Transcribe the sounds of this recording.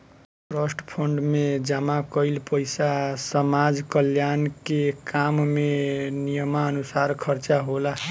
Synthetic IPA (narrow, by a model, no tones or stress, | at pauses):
pɾəsʈpʰəɳɖmed͡ʒəmakəɪlpəjsasəmad͡ʒkəljankekammenijəmaənusaɾkʰəɾt͡ʃaɦola